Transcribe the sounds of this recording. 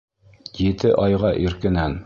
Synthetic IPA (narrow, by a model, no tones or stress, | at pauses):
jɘ̆t̪ɘʔɑjʁɑʔĭɾkɘ̆næn